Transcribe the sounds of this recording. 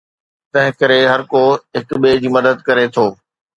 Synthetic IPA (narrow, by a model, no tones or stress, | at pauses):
t̪ɐ̃ɦɪ̃kɐɾeɦɐɾkoɦɪkɓeːd͡ʑiːmɐd̪əd̪̚kɐɾet̪ʰoː